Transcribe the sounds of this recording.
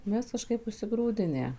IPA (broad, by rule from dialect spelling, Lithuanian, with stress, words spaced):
ˈmʲɛs kɐˈʃkɐɪp ʊʃʲsʲɪˈɡruːdʲɪnʲæː